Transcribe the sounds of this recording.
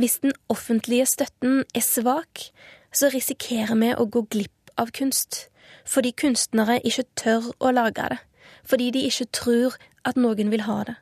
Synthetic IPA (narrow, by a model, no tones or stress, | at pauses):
ʋɪsd̪̥ɛnɔfənt̪ʰlɪəst̪œt̪ənɛsʋɑːk | sɔʁɪsɪkʰeːʁəmɛʔo̰ɡoːɡlɪpɑːʋkʰʉnst̪ | fɔd̪iːkʰʉnst̪nəʁəʔɪçət̪ʰœʁʔɔlɑːɡɑ̰d̪ɛ | fɔd̪iːd̪iɪçət̪ʰʁʉːʁ | ʔɑt̪noːɡənʋɪlɦɑ̰ːd̪ɛ